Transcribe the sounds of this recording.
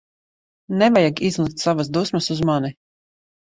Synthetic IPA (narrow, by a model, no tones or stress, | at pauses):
nɛvajaɡizlˠik̚t̪savasd̪uːsmɐsuzmani